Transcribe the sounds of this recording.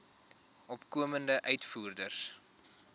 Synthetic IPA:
ʔɔpkuəməndəʔœɥtfuːrdərs

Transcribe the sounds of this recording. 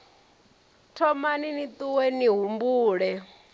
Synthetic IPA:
tʰɔmaninit̪uwɛniɦumbuːɺɛ

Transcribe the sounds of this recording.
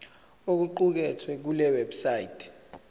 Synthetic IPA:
ok̬uǃuk̬ɛtʰwɛk̬ulɛwɛbsajitʰɛ̥

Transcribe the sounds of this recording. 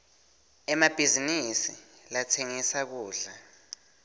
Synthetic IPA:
ɛmab̥ʱizinisilatʰeŋisak̬uːɮa

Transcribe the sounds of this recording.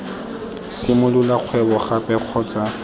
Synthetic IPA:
sɪmʊlulaq͡χʰwɛbɔχapʼɛq͡χʰɔt͡sʼa

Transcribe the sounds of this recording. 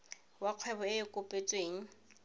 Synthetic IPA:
waq͡χʰwɛbɔɪɪkʼʊpʼet͡sʼweːŋ̩

